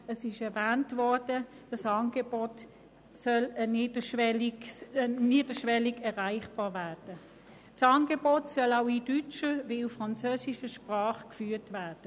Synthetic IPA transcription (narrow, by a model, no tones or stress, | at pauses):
əsɪʃɛʁvæːntvɔɐd̥ə | d̥ɑsɑːnɡebɔt | sœləniːdəʃɛli | niːd̥əʃʋɛliɡɛʁaɪχb̥ɑːvæːd̥ə | tsɑːnɡebɔtsœlaʊidyt͡ʃəveuffʁɑnt͡søːsiʃəʃpʁɑːχkfyːtvæːd̥ə